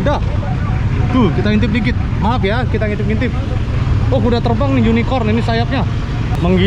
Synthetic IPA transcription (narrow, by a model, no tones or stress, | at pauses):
da | d̪ukit̪aŋint̪ɪp̚dikɪt̪̚ | maapjakit̪aŋint̪ɪp̚ŋint̪ɪp̚ | okudat̪ərbaŋnijunikɔrninisajap̚ɲa | məŋɡi